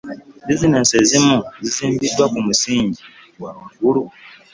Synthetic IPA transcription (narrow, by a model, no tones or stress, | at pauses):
bizineːnsezimuziziːmbidːwakumusiːɲɟi | waɡulu